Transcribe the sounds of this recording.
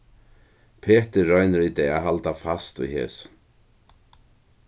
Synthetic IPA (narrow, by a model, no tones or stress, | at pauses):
pʰeːt̪ɪɾːɔjnɪɾit̪ɛaɦalt̪afast̪ṵjɦɛ̰ːs